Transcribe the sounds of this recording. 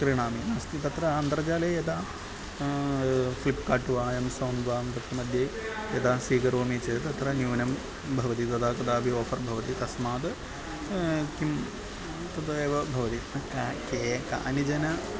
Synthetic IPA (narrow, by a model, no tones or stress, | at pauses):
kɾiɳaːminɐst̪ɐt̪ɾɐɐnd̪ɾɐd͡ʑaːleet̪aː | flipːkaːʈːuʋaːemsɐːnʋaːmt̪ɐt̪ɾɐmɐd̪ʱjeet̪aːsiːkɐɾoːmit͡ʃɐt̪ɐt̪ɾɐnjuːnɐm | bʱɐʋɐt̪it̪ɐd̪aːkɐd̪aːbʱioːfɐrbʱɐʋɐt̪it̪ɐsmaːd̪ɨ | kim | t̪ɐd̪ɐeːʋɐbʱɐʋɐt̪ikakeːka̰ːnid͡ʒɐnɐ